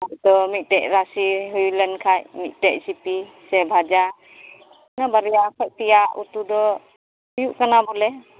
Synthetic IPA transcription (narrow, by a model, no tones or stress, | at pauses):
at̪ɔmit̪̚teʔ̚ɾasiɦujulənkʰajmit̪̚ˀteʔ̚sipisɛbʱad͡ʒa | nabaɾɛjakʰaʔtijaʔṵt̪ud̪ɔ | hujuʔkanabɔlɛ